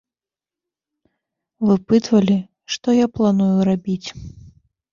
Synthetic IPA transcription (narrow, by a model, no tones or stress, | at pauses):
vɨpɨt̪vɐlʲi | ʂt̪ɔjaplˠanujuɾabʲit͡sʲ